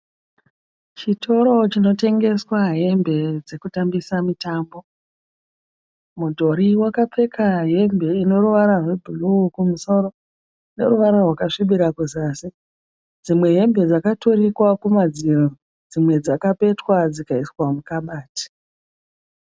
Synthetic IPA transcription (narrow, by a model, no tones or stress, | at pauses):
t͡ʃitʰo̞ɾo̞t͡ʃino̞te̞ŋɡe̞swaɦe̞mbe̞d͡ze̞kutambisamitaːmbo̞ | mudʱo̞ɾiwakap͡fe̞kʰaɦe̞mbe̞ino̞ɾuʋaɾarwe̞bʱulukumuso̞ɾo̞ | ne̞̰ɾuʋaɾarwakaʂiɓiɾakuzaːsi | d͡zimwe̞ɦe̞mbe̞d͡zakatoɾikwakumad͡ziro | d͡zimwe̞d͡zakape̞twad͡zikaiswamukaɓaːti̥